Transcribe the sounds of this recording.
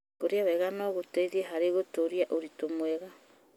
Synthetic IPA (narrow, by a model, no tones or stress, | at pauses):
koɾeawɛɣanɔɣoteiðieɦaɾeɣotoɾiaʔoɾitomwɛɣa